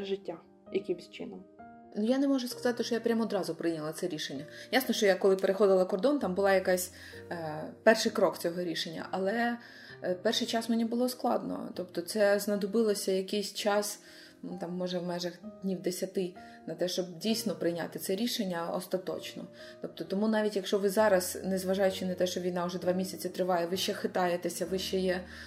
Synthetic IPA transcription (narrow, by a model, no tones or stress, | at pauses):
ʒɪtʲːa | jɐkʲɪmsʲt͡ʃɪ̰nɔm | nʊjanɛmɔʒʊskɐ̥zɑt̪ɪʃt͡ʃɔjapɾʲamɔd̪ɾɑzʊpɾɪjnʲɐlˠɐt̪sɛɾʲiʃenʲːɐjasnɔʃt͡ʃɔjakɔlˠɪpeɾexɔd̪ɪlˠɐkɔrd̪ɔnt̪ɑmbʊlˠɑjɐkasʲ | pɛrʃɪjkɾɔk̪t͡sʲɔɦɔɾʲiʃenʲːɐ̰ʔɐlˠɛ | pɛrʃɪjt͡ʃɑsmenʲibʊlˠɔsklˠɑ̰d̪nɔ̰t̪ɔpt̪ɔt̪sɛznɐd̪ɔbɪlˠɔsʲɐjɐkʲɪjsʲt͡ʃɑs | ut̪ɑmːɔʒɐwmɛʒɐxd̪ʲnʲiwd̪esʲɐt̪ɪ | nɐt̪ɛʃt͡ʃɔb̚dʲijsʲnɔpɾɪjnʲa̰t̪ɪt̪sɛɾʲiʃenʲːɐɔ̰st̪ɐt̪ɔ̰t͡ʃnɔ̰ | t̪ɔp̚t̪ɔt̪ɔmunɑʋʲitʲjɐkʃt͡ʃɔʋɪzɑɾɐznezʋɐʒɑjʊt͡ʃɪnɐt̪ɛʃt͡ʃɔʋʲijnɑʊʐɛd̪ʋɑmʲisʲɐt͡sʲɪt̪ɾɪʋɑjɛʋɪʃt͡ʃɛxɪt̪ɑjet̪esʲɐʋɪʃt͡ʃɛjɛ